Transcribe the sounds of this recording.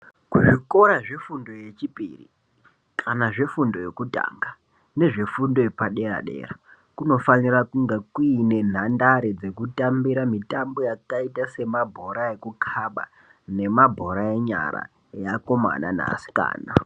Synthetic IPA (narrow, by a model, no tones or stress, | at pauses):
kuʐiko̞ɾaʐe̞fundo̞je̞t͡ʃipʼḭrḭ | kʰanaʐe̞fundo̞je̞kuta̰ːŋɡa | ne̞ʐe̞fundo̞epaɗe̞ɾa̰ɗe̞̰ːra | kuno̞fanirakuŋɡekine̞n̤andaɾed͡ze̞kutambiɾamitambo̞jakaitase̞mabʱo̞ɾaje̞kukʰaɓa̰ | ne̞mabʱo̞ɾaeɲa̰ɾa̰ | jako̞ma̰na̰na̰ːsi̥ka̰ːna